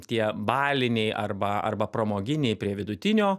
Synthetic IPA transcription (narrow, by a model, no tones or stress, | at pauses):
t̪ʲiɛbɑːlʲɪnʲɛɪʔɐɾbɐɐ̰ɾbɐpɾomoːɡʲɪnʲɛɪpʲɾʲiɛʋʲɪd̪ʊt̪ʲɪnʲoː